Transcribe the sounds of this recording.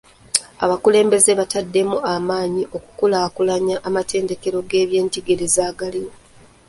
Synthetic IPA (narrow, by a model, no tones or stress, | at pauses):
a̰βakule̞ːmbe̞zeβatadːe̞muamaːɲiʔo̞ku̥kulaːkulaɲaʔːmate̞ːnde̞ke̞ɾo̞ɡe̞ːβje̞ːntiɡeɾezaːɡaliwo